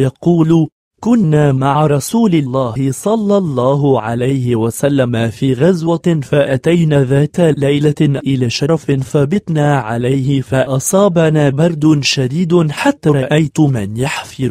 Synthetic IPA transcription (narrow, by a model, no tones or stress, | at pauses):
jɑquːl | kʊnːaːmaʕɾˤɑsuːlɪlːaːhɪsˤɑlːɑlˤːɑːɦʕalajhɪwasalːamafiːɣazwafaʔat̪ajnaðaːt̪alajlaʔʔɪlaːʃɑɾˤfɪnθɑːbɪt̪ˤnaːʕalajhɪfaʔɑsˤɑːbanaːbɑɾˤd̪ʊʃad̪iːd̪ħat̪ːaɾˤɑʔajt̪mɪnjaħfɪɾ